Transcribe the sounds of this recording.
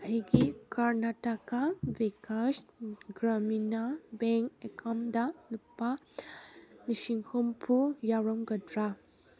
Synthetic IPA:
ɐɦiɡikaɾnatakawikasɡɾaminabɛŋkekʰamdalupːa | niʃiŋkʰɔmpʰujawɾɔmɡɐdɾa

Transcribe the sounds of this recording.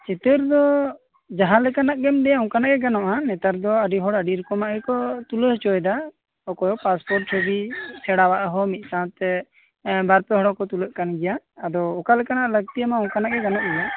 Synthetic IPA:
t͡ʃɛt̪əɾd̪ɔ | d͡ʒaɦãlɛkanaʔɡɛmd̪ɛjaɔ̃ŋkanaʔɡɛɡanɔʔanɛt̪əɾd̪ɔəɖiɦɔɽəɖiɾkɔmaʔɡɛkɔt̪uləɦt͡ʃɔjd̪a | ɔkɔjɔpaspɔɾʈɾebisɛɽawaʔaɦɔmit̪̚ˀsãt̪ɛ | baɾpɛɦɔɽɔkɔt̪uləʔkanɡɛjaːd̪ɔːkalɛkanaʔləɡ̚t̪ijamaɔ̃ŋkanaʔɡɛɡanɔʔɡɛja

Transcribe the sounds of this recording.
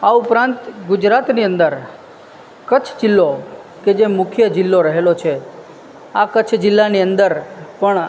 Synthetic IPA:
aupɾãnt̪ɡʊd͡ʒɾat̪niənd̪əɾ | kət͡ʃʰd͡ʒɪlːo | ked͡ʒemʊkʰjəd͡ʒɪlːoɾəɦelot͡ʃʰe | akət͡ʃʰd͡ʒɪlːaniənd̪əɾpəɳ

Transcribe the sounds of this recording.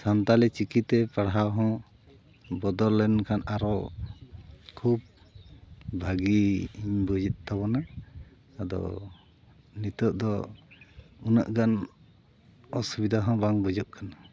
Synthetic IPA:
sant̪alɛt͡ʃikit̪ɛpaɽɦawɦɔ̃ | bɔd̪ɔlːɛnkʰanʔaɾɔ | kʰub̚ | bʱaɡiiɲbɔd͡ʒit̪̚ˀt̪aβɔna | ad̪ɔ̰ | nit̪ɔʔ̚d̪ɔ | una̰ʔɡan | ɔsubid̪ʱaɦɔ̃baŋbɔd͡ʒɔʔ̚kʰana

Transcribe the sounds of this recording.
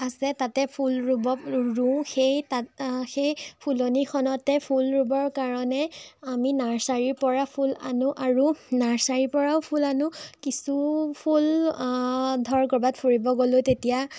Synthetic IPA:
asɛtatɛpʰulɹubɔɹũxejtaxejpʰulonixʰɔnɔtɛpʰulɹubɔɹkaɹɔnɛaminaɹsaɹiɹpɔɹapʰula̰nʊʔaɹunaɹsaɹipɔɹaʊpʰulanʊkisupʰul | dʱɔɹkɔɹbatpʰoɹibɔɡolʊ̃tetija

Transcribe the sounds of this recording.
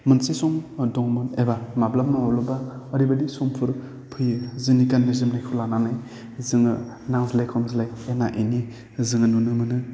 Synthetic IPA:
mɯnsesɔŋdɔŋmɔnebamablammaɔlɔbaɔɾibadisɔmpʰɯɾ | pʰɯjzɯnikanːizɯmnajkʰulananaj | zɯŋɯ | naŋzilajkʰɔmzilajenaʔini | zɯŋɯnunɯmɯnɯ

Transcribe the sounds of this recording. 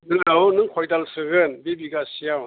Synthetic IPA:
nɯawunɯŋkʰɔjdalsɯɡɯnbebiɡasijaw

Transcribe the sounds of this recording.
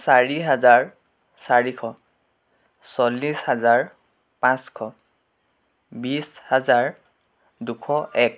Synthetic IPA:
saɹiɦazaɹ | saɹikʰɔ | sɔlːishazaɹ | pãskʰɔ | bishazaɹ | dukʰɔʔɛk̚

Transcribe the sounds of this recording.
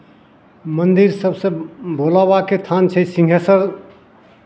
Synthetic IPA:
mənd̪iɾsəbsə̃bolabaket̪ʰant͡ʃʰɛsĩŋɡʱesəɾ

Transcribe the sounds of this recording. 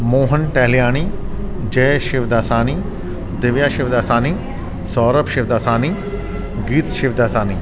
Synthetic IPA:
moːɦənʈɐɦlijaːñid͡ʑɛːʃɪʋd̪aːsaːni | d̪ɪʋjaːʃɪʋd̪aːsaːni | sɔːɾəpʃɪʋd̪aːsaːni | ɡiːt̪ʃɪʋd̪aːsaːniː

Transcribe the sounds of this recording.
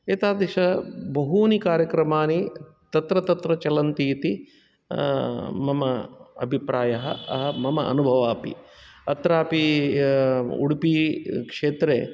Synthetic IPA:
eːt̪aːd̪ɐʃɐbɐɦuːnikaːɾjɐkɾɐmaːni | t̪ɐt̪ɾɐt̪ɐt̪ɾɐt͡ʃɐlɐnt̪iːt̪i | mɐmɐɐ̰bʱipɾaːjɐɦɐ̰ɐ̰ɦɐmɐmɐʔɐ̰nubʱɐʋaːpḭɐt̪ɾaːpi | ṵɽpikʂeːt̪ɾḛː

